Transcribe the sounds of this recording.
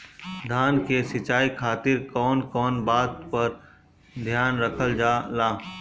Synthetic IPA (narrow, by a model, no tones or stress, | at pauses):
d̪ʱaːnkesɪt͡ʃaːikʰaːt̪ɪɾkɔːnkɔːnbaːd̪pɐɾ | d̪ʱjaːnɾɐkʰəld͡ʒaːlaː